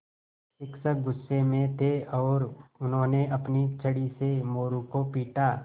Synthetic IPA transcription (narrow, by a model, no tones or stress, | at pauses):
ʃɪksək̚ɡʊsːemẽt̪ʰeɔːɾʊnɦõːneʔɐpnit͡ʃʰɐɽisemoːɾukopiːʈa